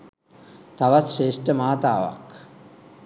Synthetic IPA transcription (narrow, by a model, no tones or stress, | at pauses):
t̪aʋasʃeːʂʈəmaːt̪aːʋa̰k